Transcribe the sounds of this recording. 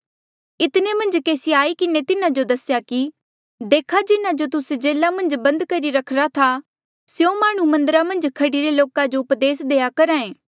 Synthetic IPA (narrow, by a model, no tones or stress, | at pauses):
ɪt̪nemɐ̃nd͡ʒkeːsiaːikɪnet̪ɪnãd͡ʒod̪ɐsjaki | d̪eːkʰad͡ʒɪnad͡ʒot̪ʊsed͡ʒeːlamɐ̃nd͡ʒbɐ̃nd̪kɐɾiɾɐkʰɾat̪ʰa | seomaːɽ̃ũmɐ̃nd̪əɾamɐ̃nd͡ʒkʰɐɽiɾeloːkad͡ʒoʊpd̪eːsd̪eːakɐɾaːẽː